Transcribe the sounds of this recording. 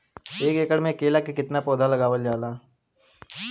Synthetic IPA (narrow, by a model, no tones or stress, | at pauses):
eːkeːkəɽmẽkeːlakekɪt̪napoːd̪ʱaləɡaːʋəld͡ʒaːlaː